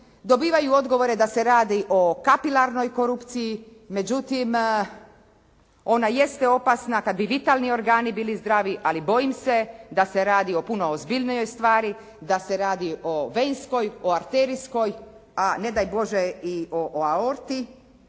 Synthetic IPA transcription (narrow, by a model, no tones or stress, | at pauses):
d̪o̞biːʋajuo̞d̪ɡo̞ʋo̞ɾed̪aseɾaːd̪iʔo̞kapilaɾno̞jko̞ɾupt̪siji | me̞d͡ʑut̪im | o̞naje̞st̪eo̞pasnakad̪̚biʋit̪alˠnio̞ɾɡaːnibiːlizd̪ɾaːʋiʔalibo̞jimse̞d̪aseɾaːd̪io̞puno̞ozbiʎnijo̞jst̪ʋaːɾi | d̪aseɾaːd̪iʔoʋensko̞joaɾt̪eːɾisko̞j | ane̞d̪ajbo̞ʒeioʔaoɾt̪i